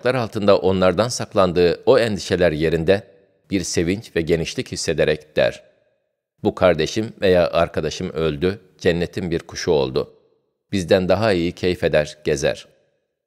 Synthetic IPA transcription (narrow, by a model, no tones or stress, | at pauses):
klˠaɾalˠt̪ʰɯnd̪aʔo̞nlˠaɾd̪ansaklˠand̪ɯːoɛnd̪iʃe̞lʲæɾje̞ɾind̪ɛ | b̥iɾse̞vint͡ʃvɛɟe̞niʃlʲichisːe̞d̪e̞ɾɛcd̪̥æ̰ɾ̥ | bukʰaɾd̪e̞ʃimve̞jaːʔaɾkʰad̪aʃɯmø̞lʲd̪y | d͡ʒɛnːe̞t̪ʰimbiɾkʰu̥ʃuo̞̰lˠd̪ʊ | b̥izd̪ænd̪aɦaijicʰe̞jfe̞d̪æɾɟ̥e̞zæ̰ɾ̥